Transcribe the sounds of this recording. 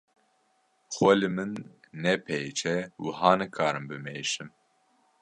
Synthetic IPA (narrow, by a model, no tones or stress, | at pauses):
xwɛlɨmɨnː | ɛpʰejt͡ʃʰɛwɨɦɑːnɨkʰɑːɾɨmbɨmeːʃɨm